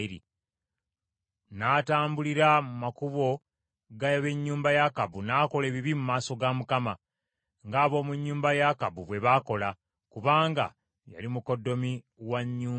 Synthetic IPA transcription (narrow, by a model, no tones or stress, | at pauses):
ɾḭ | naːtaːmbuliɾamumakuβo̞ | ɡaβe̞ɲːuːmbajakaβunaːko̞le̞ːβiβimumaːso̞ɡamukama | ŋɡaːβo̞ːmuɲːuːmbajakaβuβwe̞βako̞la | kuβaːŋɡa̰ | ja̰limuko̞dːo̞mi | waɲːuː